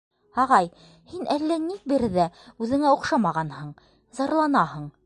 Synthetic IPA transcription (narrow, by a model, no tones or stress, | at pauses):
ɑʁɑj | hinʔælːænik̚bɘɾðæʉðɘ̆ŋæuqʃɑmɑʁɑnhɤɴ | zɑɾlˠɑnɑhɤɴ